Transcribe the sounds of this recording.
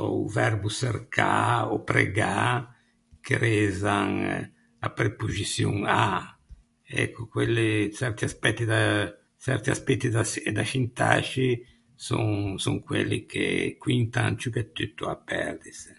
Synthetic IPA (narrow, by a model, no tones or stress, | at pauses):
ɔuvɛrbuserkʰaɔpɾḛɡa | kʰeɾɛzaŋ | apɾepuzisjuŋa | ɛ̰kʰːukwelːisɛɾt̪iaspɛt̪ːid̪a | sɛɾt̪iaspɛt̪ːid̪ad̪aʃint̪a̰t͡ʃi | suŋsɔŋkwelːikʰḛkwint̪ant͡ʃukɛt̪ːyt̪ːuapːɛ̰ɾd̪is